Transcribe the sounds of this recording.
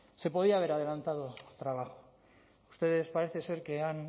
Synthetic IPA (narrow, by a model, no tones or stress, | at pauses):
se̞po̞ð̞iaβ̞e̞ɾað̞e̞lant̪aðot̪ɾaβ̞axo̥ | ust̪e̞ðe̞spaɾe̞θe̞se̞ɾkean